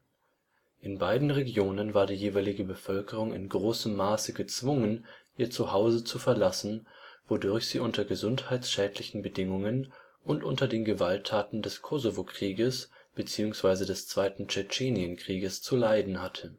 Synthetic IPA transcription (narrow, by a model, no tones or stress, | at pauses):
ʔɪnbaɪdn̩ʁeɡjoːnənvaːɐdiːjeːvaɪlɪɡəbəfœlkəʁ̞ʊŋɪ̰nɡʁoːsəmːaːsəɡət͡sv̥ʊŋənʔiːɐt͡suhaʊzət͡sufɛɐlasn̩ | v̥odʊɐçz̥iːʔʊntɐɡəzʊnthaɪtsʃɛːtʰlɪçn̩bədɪŋʊŋən | ʔʊntʔʊntɐdeːnɡəvaltʰːaːtn̩dɛskʰɔzovokʁ̥iːɡəs | b̥ət͡siːʊŋsv̥aɪzədɛst͡sv̥aɪtn̩t͡ʃɛt͡ʃeːnjənkʁ̥iːɡəst͡sulaɪdn̩hatʰə